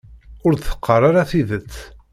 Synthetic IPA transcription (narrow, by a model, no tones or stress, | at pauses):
ʊɾðθə̥qʰːərˤaɾaθiðət͡sː